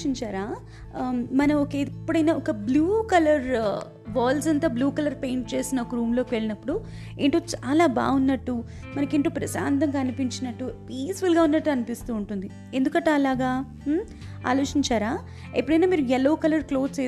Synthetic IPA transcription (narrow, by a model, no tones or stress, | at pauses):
iɲt͡ʃaːɾaː | mɐnɐɔkepːuɽɐjnaːɔkɐbluːkɐlɐɾ | ʋaːls̬ɐnt̪aːbluːkɐlɐɾpe̞ːɳʈt͡ʃe̞ːsinɐɔkɐɾuːmlo̞ːkiʋe̞ɭinɐpːuɽu | eɳʈoːt͡ʃaːlaːba̰ːunːɐʈːu | mɐnɐkiɳʈoːpɾɐsa̰ːnt̪ɐŋɡaɐnipiɲt͡ʃinɐʈːupiːsfulɡaːunːɐʈːuɐnipist̪uːɳʈund̪i | e̞nd̪ukɐɳʈuɐlaːɡaː | a̰ːlo̞ːt͡ʃiɲt͡ʃaːɾaː | epːuɽɐjnaːmiːɾujɛloːkɐlɐɾklo̞ːst͡ʃeː